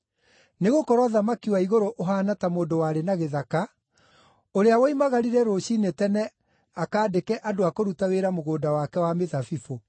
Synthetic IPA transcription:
neɣokɔɾwaðamakiwaiɣoɾoʔoɦaːnatamoːndowaɾenaɣeðaka | oɾeawaimaɣaɾiɾɛɾoɕinetɛnɛ | akaːdekɛʔadoakoɾutaweɾamoɣoːdawakɛwameðafifo

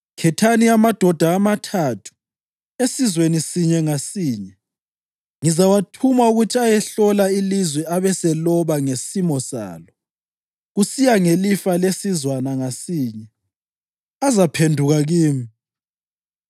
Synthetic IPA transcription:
kʰɛtʰaniamad̥ʱɔd̥ʱaːmatʰatʰu̥ | esizwenisiɲɛŋasiːɲɛ | ŋizawatʰumauɣutʰiajɛɬɔlailizwɛaβɛsɛlɔβaŋesimɔsa̰ːlɔ | ɣusijaŋelifalesizwanaŋasiːɲɛ | azapʰendʱuɣaɣiːmi

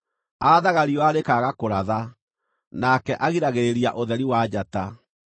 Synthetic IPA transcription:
aaðaɣaɾiɔaɾekaɣakoɾaða | nakɛʔaɣiɾaɣeɾeɾjaʔoðɛɾiwad͡ʑata

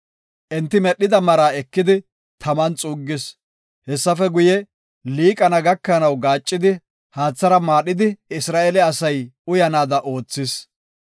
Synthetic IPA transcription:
ʔɛnt̪ːɪmɛɗːɪd̪ɐmɐɾaːɛkːɪd̪ɪ | t̪ʰɐmɐnt͡sʼʊːɡːɪs | hɛsːɐfɛɡʊjɛ | liːkʼɐnɐɡɐkːɐnɐwɡaːt͡ʃʼːɪd̪ɪ | haːt͡sːɐɾɐmaːɗɪd̪ɪɪsɾaːʔɛlɛɐsɐjʊjɐnaːd̪ɐʔo̞ːt͡sːɪs

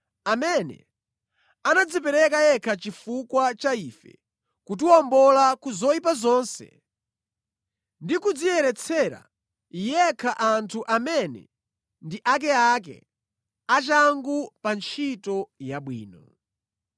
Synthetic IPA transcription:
amɛnɛ̰ | anad͡zipɛɾɛkajɛkʰat͡ʃifukwat͡ʃaifɛ̰ | kutuɔmbɔlakuzɔipazɔːnsɛ̰ | ndikud͡zijɛɾɛt͡sʰɛɾa̰ | ijɛkʰaʔantʰuʔamɛnɛ̰ | ndiʔak̬ɛak̬ɛ̰ | at͡ʃaŋɡupant͡ʃʰitɔjaɓwḭːnɔ

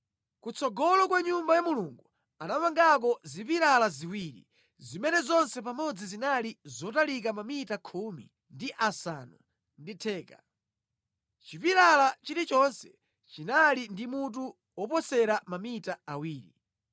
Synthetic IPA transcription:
kut͡sʰɔɡɔlɔkwaɲumbajamuluŋɡu | anamaŋɡak̬ɔzipiɾalaziwiɾḭ | zimɛnɛzɔnsɛp̬amɔd͡zizinalizɔtalik̬amamitakʰumḭ | ndiʔasa̰ːnu | nditʰɛːka | t͡ʃipiɾalat͡ʃiɾit͡ʃɔnsɛ̥ | t͡ʃinalindimut̬u | wɔpɔsɛɾamamitaawiːɾḭ

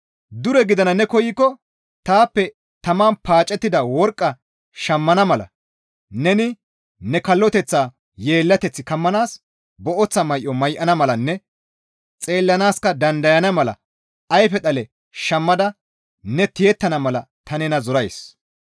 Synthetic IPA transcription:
d̪ʊɾɛɡɪd̪ɐnɐnɛkɔjɪkːɔ | t̪aːpːɛ | t̪ɐmaːnpaːt͡ʃʼːɛt̪ːɪd̪ɐwɔɾkʼːɐ | ʃɐmːɐnɐmɐlɐ̰ | nɛnɪ | nɛkɐlːɔt̪ɛt͡sːaː | jeːlːɐt̪ɛt͡sːɪkɐmːɐnaːs | bɔʔɔt͡sːɐmɐjʔɔmɐjʔɐnɐmɐlɐnːɛ | t͡sʼe̞ːlːɐnaːskɐd̪ɐnd̪ɐjɐnɐmɐlɐ̰ | ɐjfɛɗ̪ɐlɛ | ʃɐmːɐd̪ɐ | nɛt̪ɪjɛt̪ːɐnɐmɐlɐ | t̪ɐnɛnɐzɔɾɐjs

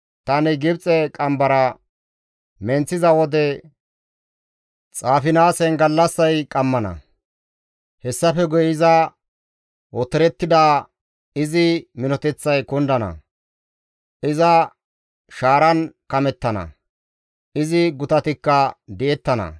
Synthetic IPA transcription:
t̪ɐnɪɡɪbt͡sʼɛkʼɐmbɐɾɐ | mɛnt͡sːɪzɐwɔd̪ɛ | t͡sʼaːfɪnaːsɛnɡɐlːɐsːɐjkʼɐmːɐnɐ̰ | hɛsːɐfɛɡʊjɪzɐ | ʔɔt̪ːɛɾɛt̪ːɪd̪aː | ɪzɪmɪnɔt̪ɛt͡sːɐjkʊnd̪ɐnɐ̰ | ʔɪzɐ | ʃaːɾɐnkɐmɛt̪ːɐnɐ̰ | ʔɪzɪɡʊt̪ɐt̪ɪkːɐd̪ɛʔɛt̪ːɐnɐ̰

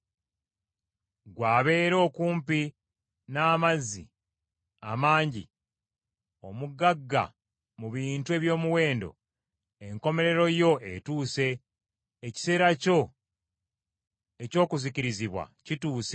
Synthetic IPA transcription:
ɡwaːβe̞ːɾo̞ːkuːmpi | naːmazːḭ | a̰maːɲɟḭ | o̞muɡaɡːa̰ | muβiːntue̞ːβjo̞ːmuwe̞ːndo̞̰ | e̞ŋko̞me̞ɾe̞ɾo̞jo̞etuːse̞ː | ci̥se̞ːɾaco̞ | eco̞ːkuziciɾiziβwa̰cituːse

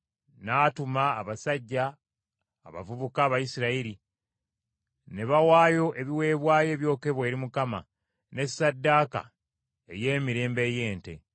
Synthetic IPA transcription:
naːtumaːβasaɟːa̰ː | βa̰vuβukaːβajisiɾaiɾi | ne̞βawaːjo̞ʔe̞βiwe̞ːβwaːje̞ːβjo̞ːke̞βwe̞ːɾimukama̰ | ne̞sːadːaːka̰ | e̞̰je̞ːmiɾe̞ːmbeːje̞ːnte̞̰

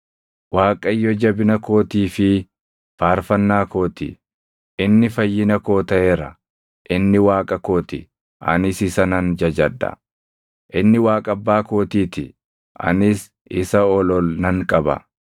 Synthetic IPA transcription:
waːkʼɐjːɔd͡ʒɐbɪnɐko̞ːt̪iːfɪ | faːɾfɐnːaːko̞ːt̪ḭ | ʔɪnːɪfɐjːɪnɐko̞ːt̪ɐeːɾɐ | ʔɪnːɪwaːkʼɐko̞ːt̪ɪ̰ | ʔɐ̰nɪsɪsɐnɐnd͡ʒɐd͡ʒɐd̪ːɐ̰ | ʔɪnːɪwaːkʼɐbːaːko̞ːt̪iːt̪ɪ | ʔɐ̰nɪs | ɪsɐɔlɔlnɐŋkʼɐbɐ̰

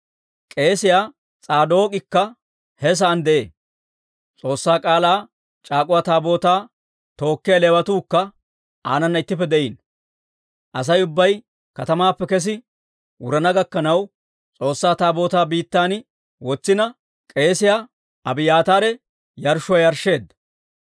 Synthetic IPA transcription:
kʼe̞ːsɪjaː | t͡sʼaːd̪o̞ːkʼɪkːɐ | hɛs̬aːnd̪ɛʔḛː | t͡sʼo̞ːsːaːkʼaːlaː | t͡ʃʼaːkʼʊwaːt̪aːbo̞ːt̪aː | t̪o̞ːkːɪjɐleːwɐt̪uːkːɐ | a̰ːnɐnːɐɪt̪ːɪpːɛd̪ɛʔiːn | ʔɐs̬ɐjʊbːɐj | kɐt̪ɐmaːpːɛkɛs̬ɪ | wʊɾɐnɐɡɐkːɐnɐw | t͡sʼo̞ːsːaːt̪aːbo̞ːt̪aːbiːt̪ːaːn | wɔt͡sːɪnɐ | kʼe̞ːsɪjaː | ɐbɪjaːt̪aːɾɛ | jɐɾʃʊwajɐɾʃe̞ːd̪ɐ

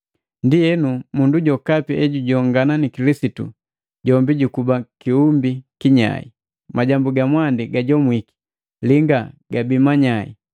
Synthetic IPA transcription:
ndiɛnumunduɟɔkapiʔɛɟuɟɔŋɡananikilisitṵ | ɟɔmbiɟukubakiumbikiɲa̰ḭ | maɟambuɡamwandiɡaɟɔmwiki̥ | liŋɡaɡabimaɲaḭ

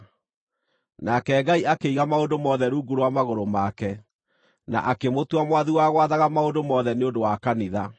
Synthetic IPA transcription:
nakɛɡaiakeiɣamaondomɔðɛɾuːɡuɾwamaɣoɾomakɛ | na̰ʔakemotwamwaðuwaːɣwaðaɣamaondomɔðɛneondowakaniða

